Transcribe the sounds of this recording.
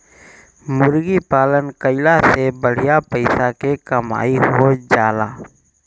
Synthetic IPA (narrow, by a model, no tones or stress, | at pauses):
mʊɾɡipaːlənkəɪlasebəɽ̤ijapəɪsakekəma̰ːiɦod͡ʒaːla̰ː